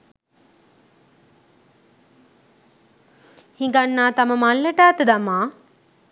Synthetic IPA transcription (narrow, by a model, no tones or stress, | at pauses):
hĩŋɡanːaːt̪aməmalːəʈaːt̪əd̪amaː